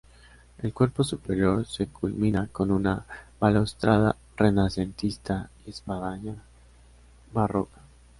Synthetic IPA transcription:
e̞lkwe̞ɾpo̞supe̞ɾjo̞ɾse̞kulminako̞nunaβalost̪ɾaða̰ | re̞nase̞nt̪ist̪aiespaðaɲa | βarokḁ

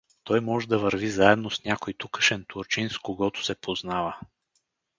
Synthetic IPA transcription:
t̪ɔjmɔʒɛd̪ɐvəɾvizaɛd̪nosnʲakojt̪ukə̥ʃɛnt̪uɾt͡ʃinskoɡɔt̪ʊ̥sɛpʰoznavə

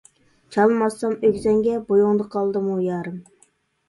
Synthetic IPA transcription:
t͡ʃʰɑlˠmɑsːɑmøɡʲzɛŋɡʲɛbojuŋd̪əqʰɑlˠd̪ɨmujɑːɾɨm

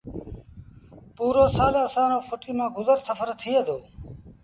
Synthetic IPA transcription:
puːɾoːsaːlaəːsãːnõːfʰʊʈiːmãːɡʊzəɾsəfʰəɾt̪ʰiːeːd̪oː

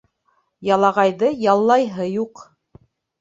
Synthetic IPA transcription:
jɑlˠɑʁɑjðɤjɑlˠːɑjɦɤjuq

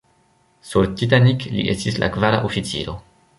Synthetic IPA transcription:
suɾt̪it̬aniklḭʔe̞stislʔa̰kvaɾa̰ʔofit͡sḭlo̞

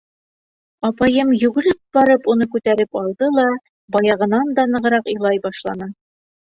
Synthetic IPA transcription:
ɒpɑjɤmjʉ̆ɡɘ̆lɘp̚bɒɾɤpunɤkʉt̪æɾɘpɑlˠd̪ɤlˠɑ | bɒjɑʁɤ̆nɑnd̪ɑnɤ̆ʁɤ̆ɾɑqɤ̆lˠɑjbɑʃlˠɑnɤ

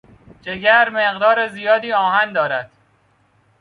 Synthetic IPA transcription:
d͡ʒeɡæɾmeɣd̪ɒːɾezijɒːd̪iːɒːɦænd̪ɒːɾæd̪̥

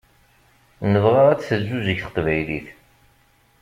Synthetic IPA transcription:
nəvʁɑʁæt͡sːθəzːuzəçθə̥qvæjlḭθ

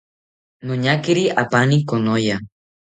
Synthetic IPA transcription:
noɲakiɾiapanikonoja

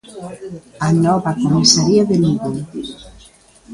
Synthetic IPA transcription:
anɔβakomusaɾiaðeluɣo

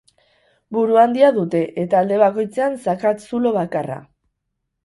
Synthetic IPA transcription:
buɾuand̪iaðut̪e̞ʔet̪aːld̪e̞βako̞jt͡se̞ansakat̪sulo̞β̞akara̰

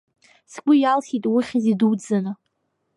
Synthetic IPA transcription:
sɡʷʊjalχitʼwiχʲziduwd͡zanɨ

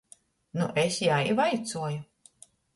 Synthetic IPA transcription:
nuʔesjaivajt̪suɔju

